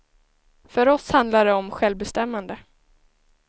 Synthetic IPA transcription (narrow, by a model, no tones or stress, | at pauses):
fœɾɔshand̪laɖɛɔmɧɛlvbɛst̪ɛmːand̪ə